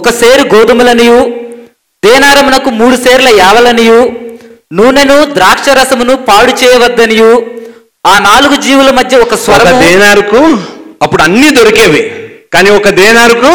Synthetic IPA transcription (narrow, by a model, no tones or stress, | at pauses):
ɔkɐseːɾiɡoːd̪ɐmulɐniju | d̪ɛːnaːɾɐmunɐkumuːɽuseːɾlɐɛːʋɐlɐniju | nuʋnenud̪ɾaːkʂɐɾɐsɐmunupaːɽut͡ʃɛːjɐʋɐd̪ːɐniju | aːnaːluɡud͡ʒiːʋulɐmɐd̪ʱjɐɔkɐsʋɐɾɐkɐmd̪ɛːnaːɾukuɐpːuɽuɐnːiːd̪oɾikeːʋikaːniːɔkɐd̪ɛːnaːɾuku